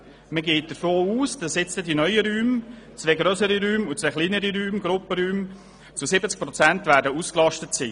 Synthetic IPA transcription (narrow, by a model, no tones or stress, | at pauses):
məɡeːt̚d̥əɾfoːuːsd̥ɑsɪt͡sədinœʏəɾyːm | t͡svɛɡɾœsəɾiɾyːmʊt͡svɛχliːnəɾiɾyːmɡɾʊpəɾyːm | t͡susɪbət͡sk̚pɾɔt͡sæntvæːɾdəusklɑʃtətsi